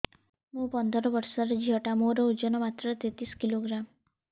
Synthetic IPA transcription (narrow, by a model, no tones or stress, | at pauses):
mũpɔnd̪ɔɾɔbɔɾsɔɾed͡ʒiɦɔʈamoɾɔud͡ʒɔnɔmat̪ɾɔt̪et̪iskiloɡɾam